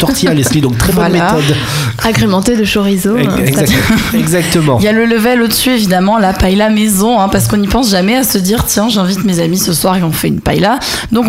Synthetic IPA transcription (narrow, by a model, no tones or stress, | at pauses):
sɔʁt̪ʰialɛsid̪ɔ̃k̚t̪χɛvbɔwalmeat̪ɔd̪ | aɡʁemɑ̃t̪ed̪əʃoʁizõ | ɛɡzakɛɡzak̚t̪əmɑ̃iljalələvɛlod̪əsyevid̪amɑ̃lapajlamezɔ̃ɛ̃paʁsə̥kɔ̃nipɑ̃sʒamɛasəd̪iʁt̪jɛ̃ʒɛ̃vit̪mezamisəswaʁeɔ̃fɛynpa̰jla | d̪ɔ̃k